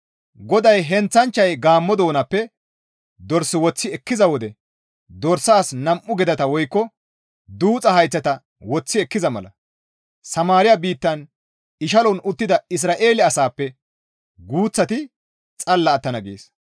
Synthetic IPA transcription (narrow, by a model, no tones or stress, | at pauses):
ɡɔd̪ɐjɦɛnt͡sːɐnt͡ʃːɐjɡaːmːɔd̪o̞ːnɐpːɛ | d̪ɔɾsɪwɔt͡sːɪɛkːɪzɐwɔd̪ɛ | d̪ɔɾsaːsnɐmʔːʊɡɛd̪ɐt̪ɐwɔjkːɔ | d̪uːt͡sʼɐɦɐjt͡sːɐt̪ɐ | wɔt͡sːɪɛkːɪzɐmɐ̰lɐ̰ | sɐmaːɾɪjɐbiːt̪ːɐn | ɪʃ̬ɐlɔnʊt̪ːɪd̪ɐɪs̬ɾaːʔe̞ːlɪɐsaːpːɛ | ɡuːt͡sːɐt̪ɪ | t͡sʼɐlːɐːt̪ːɐnɐɡḛːs